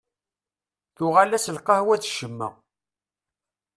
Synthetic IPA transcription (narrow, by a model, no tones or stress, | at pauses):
θʊʁalæsəlqɑhwæt͡sʃəmːæ̰